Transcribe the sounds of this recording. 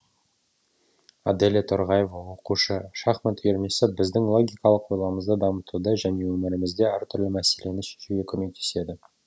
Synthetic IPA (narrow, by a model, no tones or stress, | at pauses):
ad̪elet̪ʰoɾʁɑjevwo̞quʃəʃɑχmɪt̪ʰʏjeɾmesɪbɪzd̪ɪŋlˠo̞ɡʲijkɑlˠəqwo̞jlˠɑməzd̪əd̪ɑmət̪ud̪əʒæne̞wɵmɪɾɪmɪzd̪e̞æɾt̪ʰʏɾlɪmæse̞le̞nɪʃɵ̥ʃuɡʲekʲʰɵme̞k̚t̪ʰe̥se̞d̪ɪ